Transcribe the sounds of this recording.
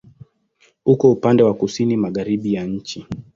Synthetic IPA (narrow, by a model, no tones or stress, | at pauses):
ukɔupandɛwakusinimaɠaɾiɓijaɲ̩t͡ʃi